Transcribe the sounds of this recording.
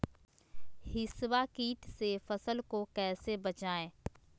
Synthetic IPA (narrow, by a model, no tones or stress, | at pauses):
hɪswakiːʈ̪sefɐsəlkokɛːsebɐt͡ʃaːẽː